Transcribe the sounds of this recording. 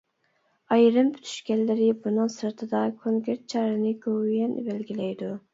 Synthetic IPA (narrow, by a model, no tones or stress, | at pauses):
ɑjɾɨmpʰyt̪ʰy̥ʃkʲɛnːɪɾɪbunɨŋsɨɾt̪ʰɨd̪ɑkʰoŋkʲeɾt̪̚t͡ʃʰɑɾɨnɪkʲʰowjɛnbælɡʲilɛjd̪u